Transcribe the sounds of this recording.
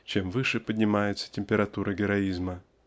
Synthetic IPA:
t͡ɕemvɨʂɨpədʲnʲɪmajɪt̪sə̥tʲɪmʲpʲɪɾɐt̪uɾʔəɡʲɪɾɐizmə

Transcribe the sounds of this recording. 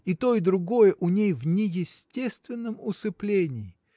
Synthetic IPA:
it̪oɪd̪ɾʊɡo̞jəʔʊnʲejvnʲɪjɪsʲtʲe̞st̪vʲɪnːəmʊsɨplʲenʲɪɪ

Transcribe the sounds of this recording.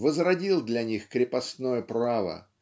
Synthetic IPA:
vəzrɐdʲilˠd̪lʲɐnʲixkɾʲɪpɐsnojəpɾavə̰

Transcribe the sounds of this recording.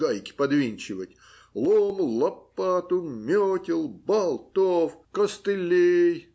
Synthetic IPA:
ajkʲɪ̥pɐd̪vʲinʲt͡ɕɪvətʲ | lˠomlˠɐpːat̪ʊmʲotʲɪlˠbɐlˠt̪ofkəst̪ɨlʲej

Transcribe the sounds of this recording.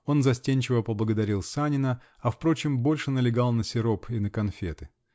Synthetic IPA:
o̞nzɐsʲtʲenʲt͡ɕɪvəpəblˠəɡəd̪ɐɾʲilˠsanʲɪnə | ɐfpɾo̞t͡ɕɪmbo̞lʲʂɨnəlʲɪɡalˠnəsʲɪɾo̞pinəkɐnfʲet̪ɨ̥

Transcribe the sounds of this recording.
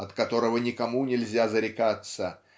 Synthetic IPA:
ɐt̪kɐt̪o̞ɾəvənʲɪkɐmunʲɪlʲzʲazəɾʲɪkat̪sə

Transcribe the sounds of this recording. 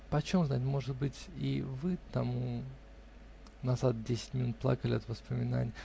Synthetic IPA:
pɐt͡ɕomznatʲmo̞ʐɨt̪bɨtʲivɨt̪amu | nɐzat̪̚dʲesʲɪ̥tʲmʲɪnut̪̚plˠa̰kəlʲɪɛt̪vəspəmʲɪna̰nʲɪjə

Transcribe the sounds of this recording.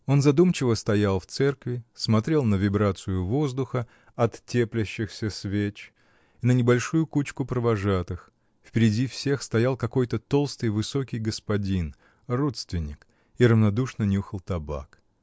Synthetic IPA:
o̞nzɐd̪umt͡ɕɪvəst̪ɐjalˠft̪sɛrkvʲɪsmɐt̪ɾʲe̞lˠnəvʲɪbɾat̪sɨjʊvo̞zd̪ʊxə | ɐt̪ːʲeplʲɪɕːɪxsʲəsvʲet͡ɕ | inənʲɪbɐlʲʂujʊkut͡ɕkʊpɾəvɐʐat̪ɨx | fpʲɪɾʲɪdʲifsʲe̞xst̪ɐjalˠkɐko̞jt̪ət̪o̞lˠst̪ɨjvɨso̞kʲɪjɡəspɐdʲin | ro̞t̪st̪vʲɪnʲːɪk | iɾəvnɐd̪uʂnənʲuxəlˠt̪ɐba̰k

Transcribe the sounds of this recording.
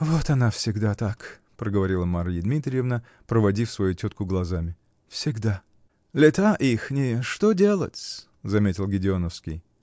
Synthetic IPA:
vo̞t̪ɐnafsʲɪɡd̪at̪ak | pɾəɡəvɐɾʲilˠəmaɾjɪd̪mʲit̪ɾʲɪjɪvnə | pɾəvɐdʲifsvɐjutʲot̪kʊɡlˠɐzamʲɪ | fsʲɪɡd̪a | lʲɪt̪aʔixnʲɪʂt̪odʲelˠə̰tʲ | zɐmʲetʲɪlˠɡʲɪdʲɪonəfskʲɪj

